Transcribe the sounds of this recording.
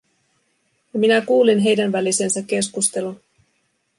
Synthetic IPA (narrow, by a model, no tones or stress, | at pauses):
minækuːlinɦe̞jdænʋælise̞nsækːe̞skust̪e̞lun